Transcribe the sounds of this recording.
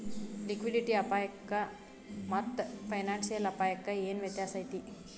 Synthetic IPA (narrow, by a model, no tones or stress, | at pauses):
likʋiɖiʈiːapajəkːa | mət̪ːfajnansijəlapajəkːajenʋ̤et̪jasajt̪iː